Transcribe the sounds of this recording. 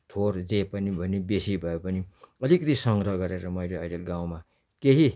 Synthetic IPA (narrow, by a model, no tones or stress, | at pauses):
t̪ʰord͡zepʌnibʱʌnebesibʱʌepʌniʌlikʌt̪isʌŋɾʌɡʌɾeɾʌmʌjleʌjleɡãw̃ma | keɦi